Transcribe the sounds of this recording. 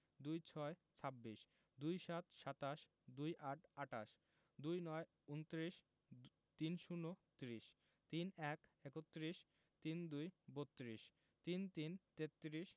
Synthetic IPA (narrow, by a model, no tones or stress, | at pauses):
d̪ujt͡ɕʰɔet͡ɕʰabːiʃ | d̪ujʃat̪ʃat̪aʃ | d̪ujʔaʈʰaʈa̰ʃ | d̪ujnɔe | unt̪ɾiʃ | t̪inʃunːot̪ɾiʃ | t̪inɛkekot̪ːɾiʃ | t̪ind̪ujbot̪ːɾiʃ | t̪int̪int̪et̪ːɾiʃ